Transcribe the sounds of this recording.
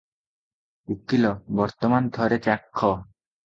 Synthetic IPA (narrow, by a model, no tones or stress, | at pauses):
ukːilɔbɔɾt̪ɔmand̪ʱɔɾet͡ɕakʰːɔ